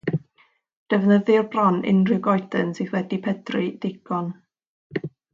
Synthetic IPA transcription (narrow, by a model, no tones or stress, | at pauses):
d̥əvnəðɪrbrɔnʔɪ̰nrɪɡɔjdənsɪθwɛdipʰɛdrɪd̥ɪɡ̥ɔn